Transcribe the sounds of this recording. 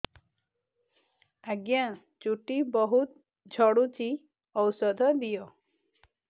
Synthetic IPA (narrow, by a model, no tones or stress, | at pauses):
aɡjã | t͡ʃuʈibɔɦut̪ | d͡ʒʱɔɽut͡ʃi | ɔwsɔd̪ʱɔd̪ijɔ